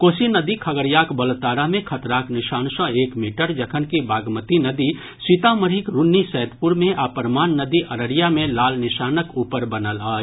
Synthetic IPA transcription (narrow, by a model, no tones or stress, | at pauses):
koːsinəd̪ikʰɐɡəɾjaːkbəlt̪aːɾamẽkʰət̪ɾaːknɪʃaːnsɔ̃eːkmiːʈəɾd͡ʒɐkʰənkibaːɡmət̪inəd̪i | sit̪aməɾɦikɾunːisɛːd̪puɾmẽʔaːpəɾmaːnːəd̪iʔɐɾəɾijamẽlaːlnɪʃaːnəkuːpəɾbənəlaː